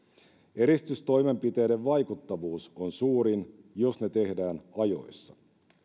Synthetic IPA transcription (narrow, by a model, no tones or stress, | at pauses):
e̞ɾist̪yst̪o̞jme̞mpit̪e̞ːdeʋʋɑjkut̪ːɑʋuːso̞nsuːɾinjo̞sne̞t̪e̞hdæːnɑjo̞̰jsːɑ